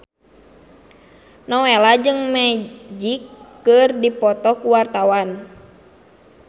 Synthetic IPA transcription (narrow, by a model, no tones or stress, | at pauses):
nɔwɛlad͡ʒɨŋmɛd͡ʒikː | ɨrdipɔt̪ɔkuwart̪awan